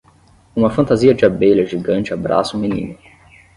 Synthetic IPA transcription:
ũmɐfɐ̃nt̪aziɐd͡ʒɪabeʎɐʒiɡɐ̃nt͡ʃɪabɾa̰sũmĩnḭ̃nʊ

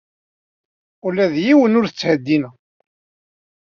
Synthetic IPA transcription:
ulæðjiwənʊɾθət͡sːhəd̪ːinæ

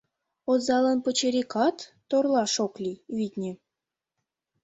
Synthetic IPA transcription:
ozɑlɤnpət͡ɕeɾʲikɑt̪ːorlˠɑʃoklʲiβʲit̪ʲnʲe

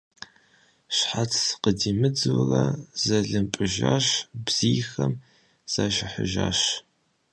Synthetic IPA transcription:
ɕħat͡sʰqədiːmɨd͡zɨwrɐz̥ɐɮɨmpʼɨʒaːʃbz̥iːxɐm | z̥aːʃɪħə̰ʒaːɕ

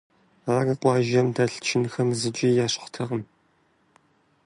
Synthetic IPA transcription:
aːɣɐqʷɑːʒɐmdaːɬt͡ʃʰɪnxɐmzɨd͡ʒʼijaːɕχʷtʰɐʁəm

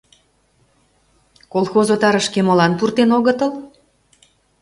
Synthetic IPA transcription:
kolˠxozot̪ɑɾəʃkemolɑnpurt̪enoɣət̪əl

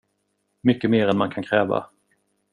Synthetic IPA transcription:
mʏkːəmeːɾɛnmankʰankʰɾɛːva̰

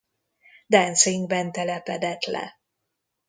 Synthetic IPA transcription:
d̪ɛnsiŋɡbɛnt̪ɛlɛpɛd̪ɛt̪lɛ̰

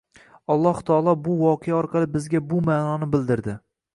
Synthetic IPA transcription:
ɒlˠːɒht̪ʰaɒlˠɒbʊwɒqʰejaɒɾqʰɑlˠɪbɪzɡʲabʊmaːnɒnɪbɪld̪ɪɾd̪ɪ

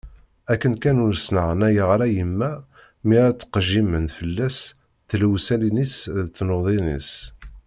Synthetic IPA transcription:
ækːənkænʊnəsnəʁnæjəʁɾæjəmːæ | miɾæt͡sːə̥qʒimənfəlːæs | θlwsælinisðt͡sːnoðˤinḭs

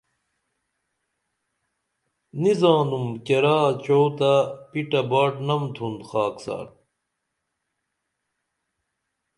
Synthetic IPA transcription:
nizaːnumkeɾaːt͡ɕowt̪ɐpiʈɐbaːʈnɐmd̪ʰund̪xaːksa̰ːɾ

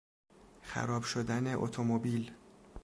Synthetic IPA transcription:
xæ̰ɾɒːbʃod̪æne̞ʔo̰t̪ʰomobiːl

